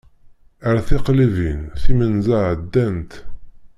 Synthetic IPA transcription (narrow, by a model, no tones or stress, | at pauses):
əɾæθɪqlivinθimənzaʕəd̪ːænt̪